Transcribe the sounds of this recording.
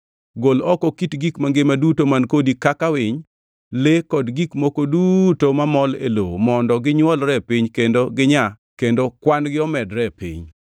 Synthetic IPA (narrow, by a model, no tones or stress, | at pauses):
ɡolɔkɔkitɡikmaŋɡemadutomankodikakawɪɲ | lekɔdɡikmokodutomamɔlḛlo̰mɔndɔɡɪɲwɔlɾɛpiɲkendoɡɪɲa | kendokwanɡɪɔmɛdɾɛpḭɲ